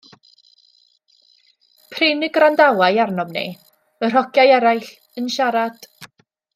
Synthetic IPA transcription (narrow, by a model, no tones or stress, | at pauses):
pʰrɪnɪɡrandawajarnɔmnḭ | ər̥ɔɡjajɛɾajɬ | ənʃaɾad̥